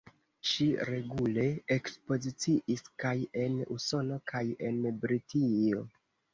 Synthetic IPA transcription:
ʃiɾe̞ɡule̞ekspo̞zit͡siʔiskaje̞nuso̞no̞kʰaje̞nbɾitio̞

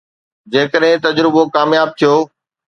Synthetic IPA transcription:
d͡ʑeːkəɗɦɪ̃t̪ɐd͡ʑɾɪbokaːmjaːb̚t̪ʰijoː

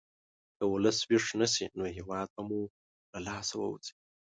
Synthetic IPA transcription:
d̪̥əwuləswiʂnəsinoɦiwɑːd̪̚pamu | lalaːsawə̰wṵt͡sʼi̥

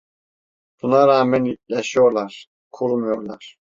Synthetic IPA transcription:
b̥unaɾaːmænjaʃɯjo̞ɾlˠaɾ̥ | kʰuɾumujo̞ɾlˠa̰ɾ̥

